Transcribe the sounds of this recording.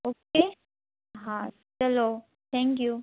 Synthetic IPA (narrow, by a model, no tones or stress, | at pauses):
oːke | ɦã | sɛloː | t̪ʰɛ̃ŋkju